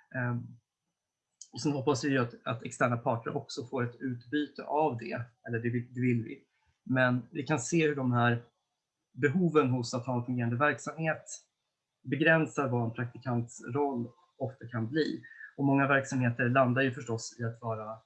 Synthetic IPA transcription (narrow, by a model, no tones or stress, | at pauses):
sɔmɦɔpːasvɪjɵat̪at̪ɛkst̪æːɳapʰɑːʈəɾʔɔksɔfoːɾɛt̪ʉ̟ːt̪byːt̪ə̰ʔavd̪ɛ̰ɛlːəɖɛvɪd̪ɛvɪlːvɪ̰ | mɛnvɪkʰanseːhɵɖɔmɦæːɾ | bɛɦuːvənɦʊsat̪hɑːɛnfɵŋɡeːɾand̪əvæɾksamheːt̪ | bɛɡɾɛnsaɾvaɛnpʰɾak̚t̪ɪkʰant̪sɾɔlː | ɔft̪akʰanbliːɔmɔŋːavæɾksamheːt̪əɾɭand̪ajɵfœʂʈɔsɪat̪vɑːɾa